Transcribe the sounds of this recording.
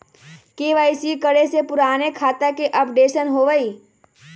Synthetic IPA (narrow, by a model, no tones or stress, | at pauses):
keːʋaɪsikəɽesepʊɾaːnekʰaːt̪akeʔɐpɖeːʃənɦoʋəiː